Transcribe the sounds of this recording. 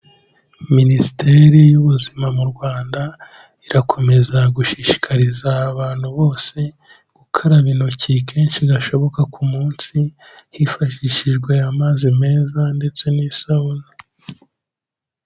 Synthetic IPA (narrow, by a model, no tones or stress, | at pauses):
minisi̥tʰe̞ːɾijuβuzimamuɾɡwaːnda | iɾakʰo̞me̞zaɡuʃiʃi̥kʰaɾizaːβaːn̥huβo̞ːse̞ | ɡ̥ukʰaɾaβinocike̞ːnʃiɡaʃo̞βo̞kakʰumuːnsi | hifaʃiʃiʒɡwe̞amaːzime̞ːzande̞t͡se̞nisaβono